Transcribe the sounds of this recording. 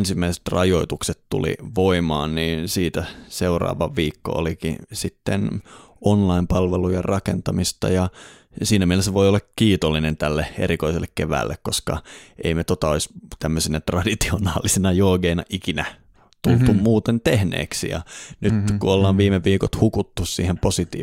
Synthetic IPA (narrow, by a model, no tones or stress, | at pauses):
nsimːæise̥t̪rɑjoit̪ukset̪t̪ṵlḭʋoimɑ̰ːnniːnsiːt̪æseurɑ̰ːʋɑʋʋiːkːo̰o̰likḭsit̪ːen | onlɑimpɑlʋelujɑrɑkent̪ɑmist̪ɑ̰jɑ | siːnæmielesːæʋoijolːɑkkiːt̪olːinent̪ælːeḛɾikoiselːekkeʋæ̰ːlːḛkkoskɑ̰ʔeimet̪ot̪ɑoist̪æmːøsinæt̪rɑdit̪ionɑːlisinɑjoːɡeinɑʔikinæ | t̪ult̪ummuːt̪ent̪ehnḛːksḭjɑ̰nyt̪kuolːɑːʋʋiːmeʋːiːkot̪hukut̪ːussḭːhemposit̪ḭː